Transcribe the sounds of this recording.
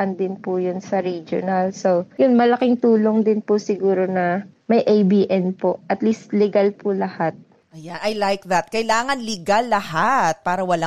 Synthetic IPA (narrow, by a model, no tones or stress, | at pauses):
ʔɐnd̪ɪnpʊjʊnsɐɾid͡ʒo̰nɐlsojʊnmɐlɐkɪŋt̪uːloŋd̪ɪnpʊsɪɡuːɾonɐ | mɐjʔejbiːʔɛnpoʔɐt̪list̪lɛɡalpʊlɐhat̪̚ | ʔɐjanʔɐjlajk̚ðɐt̪̚kɐjlaːŋɐnlɪɡalːɐhat̪̚paːɾɐwɐla